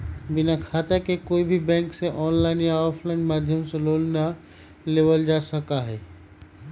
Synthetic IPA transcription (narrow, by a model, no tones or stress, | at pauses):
bɪnakʰaːt̪akekoːibʱibɛ̃ːŋkseʔɔːnlaːɪnjaɔːfʰlaɪnmaːd̪ʱjəmseloːlna | leːʋəld͡ʒaːsəkaɦɛː